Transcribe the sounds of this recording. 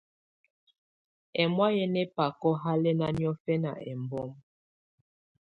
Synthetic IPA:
ɛ˨mwa˦jɛ˦nɛ˦pa˨kɔ˦ɦa˦lɛ˦na˦njɔ˦fɛ˦na̰˨ɛ̰˨mbɔ˦m

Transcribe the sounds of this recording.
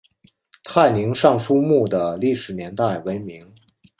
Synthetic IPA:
t̪ʰa˥˩ɪni˧˥ŋʂɑ˥˩ŋʂu˥mu˥˩d̪ə˩li˥˩ʂɻ̩˨˩njɛ˧˥nt̪a˥˩ɪwe˧˥ɪmi˧˥ŋ

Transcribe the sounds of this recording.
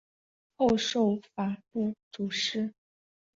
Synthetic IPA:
xo˥˧ʊʂo˥˩ʊfa˨˩pu˥˩t͡su˨˩ʂɻ̩˥

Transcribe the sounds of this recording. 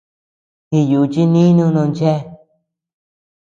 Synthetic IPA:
hi˧ju˨t͡ʃi˦nĩ˦nũ˧˦˧nõ˧nd͡ʒe˦˧

